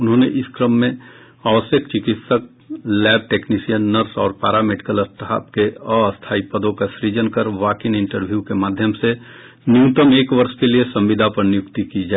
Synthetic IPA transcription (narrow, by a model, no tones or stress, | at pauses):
ʊnɦõːneʔɪskɾəmːẽ | aːʋəsjəkt͡ʃɪkɪt̪sək̚ | lɛːb̚ʈeːknisijənːəɾsɔ̰ːɾpaːɾameːɖɪkələst̪ɦa̰ːpkeəəst̪ʰaːipəd̪õkasɾid͡ʒənkəɾʋaːkɪnɪ̃ɳʈəɾbʱjukemaːd̪ʱjəmse | njũːt̪əmeːkʋəɾʃkeliesɐ̃mʋɪd̪ʱapɐɾnjʊkt̪ikid͡ʒaː